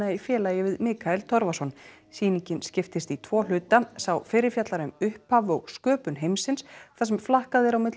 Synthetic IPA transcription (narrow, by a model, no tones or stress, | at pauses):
aifjɛːlaːjɪvɪðmɪːkʰaɛlt̪ʰɔɾvasɔn | siːniɲcɪnscɪft̪ɪst̪it̪ʰvɔːl̥ʏːt̪asawfɪɾɪɾfjat̪laɾʏmʏhphavɔɣskœːpʏnɦejmsɪnsθasɛmflahkaðɛɾawmɪt̪l